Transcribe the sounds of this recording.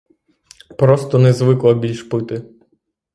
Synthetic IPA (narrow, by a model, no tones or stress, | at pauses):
pɾɔst̪ɔnɛzʋɪklˠɐbʲilʲʃpɪt̪ɪ